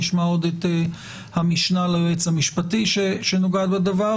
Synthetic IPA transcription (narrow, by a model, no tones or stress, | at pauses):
iʃmaod̪et̪e | hamiʃnaleʁet͡shamiʃpat̪iʃeʃenoɡad̪bed̪ava